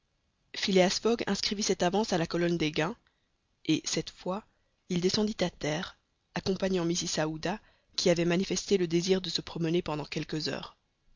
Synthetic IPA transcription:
fileasfɔɡɛ̃skχivisɛt̪avɑ̃salakɔlɔnd̪eɡɛ̃ | esɛt̪fwa | ild̪esɑ̃d̪it̪at̪ɛːʁ | akɔ̃paɲɑ̃misisaud̪a | kʲiavɛmanifɛst̪eləd̪eziʁd̪əsəpχɔmənepɑ̃d̪ɑ̃kʲɛlkəzœ̰ːʁ

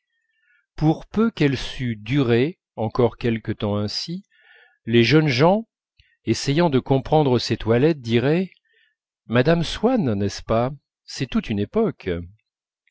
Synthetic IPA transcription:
puʁpøkɛlsyd̪yʁe | ɑ̃kɔʁkʲɛlkət̪ɑ̃ɛ̃si | leʒənʒɑ̃ | esɛjɑ̃d̪əkɔ̃pχɑ̃d̪ʁəset̪walɛt̪̚d̪iʁɛ | mad̪amswanːɛspa | sɛt̪ut̪ynepɔk

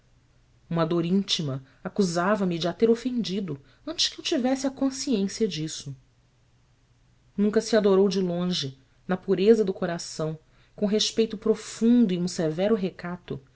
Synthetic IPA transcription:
ũmɐd̪oɾĩnt͡ʃimɐ | akuzavɐmɪd͡ʒɪat̪eɾofẽnd͡ʒid̪ʊ | ɐ̃nt͡ʃɪ̥ʃkɪewt͡ʃivɛsɪɐkõsiẽsiɐd͡ʒisʊ | nũŋkɐsiad̪oɾowd͡ʒɪlõʒɪ | nɐpuɾezɐd̪ʊkoɾasɐ̃w̃ | kõɦeʃpejt̪ʊpɾofũnd̪ʊiũsevɛɾʊɦekat̪ʊ̰

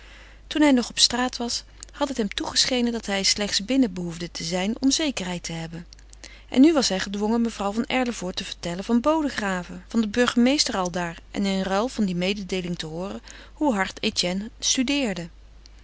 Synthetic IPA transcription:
tunɦɛjnɔχɔpstraːtʋɑs | hɑtɦətɦɛmtuχəsχejnəndɑtɦɛjslɛχtsbɪnəbəɦuvdətʰəzɛjnɔmzejkəɹɦɛjtʰəɦɛbən | ʔɛ̰nːyʋɑsɦɛjχədʋɔŋənməv̥rʌwvɑnɛɹləvʊːɹtəvəɹtɛlənvɑnbowdəχraːvəv̥ɑndəbɵɹχəmejstəɹɑlˠdaːɹʔɛ̰nɪnrɛlˠv̥ɑndimejdədejlɪŋtəɦʊːrə | huɦɑɹtetjɛnstydɪːɹdə

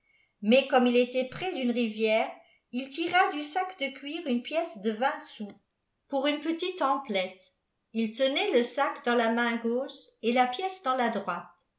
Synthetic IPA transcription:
mɛkɔmilet̪ɛpχɛd̪ynʁivjɛːʁ | ilt̪iʁad̪ysakd̪əkʲɥiʁynpjɛsd̪əvɛ̃su | puʁynpət̪it̪ɑ̃plɛt̪ | ilt̪ənɛləsakd̪ɑ̃lamɛ̃ɡoʃelapjɛsd̪ɑ̃lad̪ʁwat̪

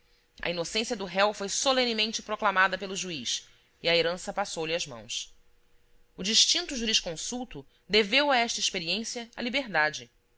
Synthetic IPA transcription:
ɐ̰inosẽsiɐd̪ʊɦɛwfojsolẽnimẽnt͡ʃɪpɾoklamad̪ɐpelʊʒuiʃ | iɐeɾɐ̃sɐpasowlɪɐʒmɐ̰̃w̃s | ʊd͡ʒiʃt͡ʃĩnt̪ʊʒuɾiʃkõsuwt̪ʊ | d̪evewɐɛʃt̪ɐiʃpeɾiẽsiɐɐlibeɦd̪ad͡ʒɪ

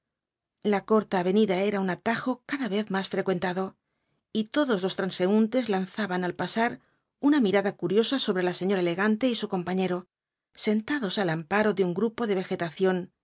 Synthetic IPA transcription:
lako̞ɾt̪aːβe̞niðae̞ɾaunat̪axo̞kaðaβe̞θmasfɾe̞kwe̞nt̪aðo̞ | it̪o̞ðo̞zlo̞st̪ɾanse̞unt̪e̞zlanθaβanalpasaɾ | unamiɾaðakuɾjo̞saso̞βɾe̞lase̞ɲo̞ɾaele̞ɣant̪e̞isuko̞mpaɲe̞ɾo̞ | se̞nt̪aðo̞salampaɾo̞ðeuŋɡɾupo̞ðe̞β̞e̞xe̞t̪aθjo̞n

